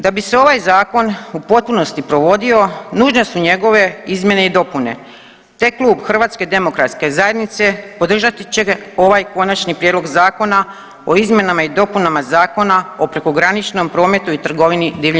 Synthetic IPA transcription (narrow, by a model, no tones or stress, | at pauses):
d̪abise̞o̞ʋajzaːko̞nupo̞t̪̚puno̞st̪ipɾo̞ʋo̞d̪io̞nuːʒnesuɲe̞ɡo̞ʋe̞izmjene̞id̪o̞pune̞̰ | t̪eklˠuːbxr̩ʋaːt̪sked̪e̞mo̞kɾat̪ske̞zaje̞d̪nit̪se̞po̞d̪r̩ʒat̪it͡ɕe̞o̞ʋajko̞nat͡ʃnipɾjed̪lo̞ɡzaːko̞na | o̞izmʲje̞namaid̪o̞punamazaːko̞nao̞pɾe̞ko̞ɡɾanit͡ʃno̞mpɾo̞ːme̞t̪uit̪r̩ɡo̞ʋinid̪iːʋʎ